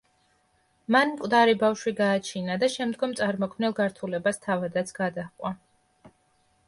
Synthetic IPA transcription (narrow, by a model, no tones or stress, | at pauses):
manmkʼvd̪aɾibafʃwiɡaːt͡ʃʰinad̪aʃɛmd̪ɡɔmt̪sʼaɾmɔkʰmnɛlˠɡaɾt̪ʰulɛbast̪ʰavad̪at̪sʰɡ̥ad̪aχqʼwa